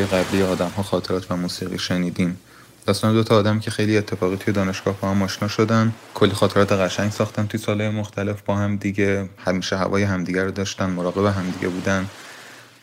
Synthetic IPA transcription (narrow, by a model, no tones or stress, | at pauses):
jeɣæblijeɒːd̪æmɦɒːxɒːt̪ʰeɾɒːt̪ʰvæmuːsiːɣiːʃeniːd̪iːm | d̪̥ɒːst̪ɒːned̪o̞t̪ʰɒːd̪æmicʰe̞xejlie̞t̪ʰːe̞fɒːʁɣiːt̪ʰuje̞d̪ɒːne̞ʃɡ̥ɒːhbɒːhæmɒːʃnɒːʃo̞d̪ænd̪ | kʰo̞lːixɒːt̪ʰe̞ɾɒːt̪ʰeɣæʃæɲɟsɒːxt̪ænt̪ʰujesɒːlhɒːjemo̞xt̪ʰæle̞fbɒːhæmd̪iɟehæmiːʃeɦæ̰vɒːjeɦæmd̪iːɟæɾud̪ɒːʃt̪ænd̪moɾɒːɣe̞beɦæmd̪iɟḛbuːd̪ænd̪